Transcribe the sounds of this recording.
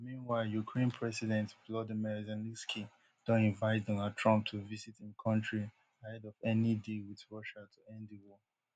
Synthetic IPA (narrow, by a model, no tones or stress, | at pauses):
mĩnwaɪlˠjukʰɹẽnpʰɹɛsidɛ̃ntvlɔdimiɹzɛnliskʰi | d̥ɔ̃nĩnvaɪt̚dɔnaltʰɹɔ̃mp̚tʰuvisitĩnkʰɔ̃ntɹi | hɛdɔvɛnidewiðɹɔʃatʰuɛ̃ndðiwɔ